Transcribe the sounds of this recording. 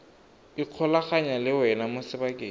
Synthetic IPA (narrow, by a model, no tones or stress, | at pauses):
iq͡χʰɔlaχaɲalɪwɛnamʊsɪbakʼeː